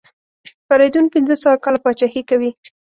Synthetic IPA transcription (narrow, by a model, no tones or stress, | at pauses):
paɾed̪unpɪnzəsawakɑlapɑt͡ʃɑhikawi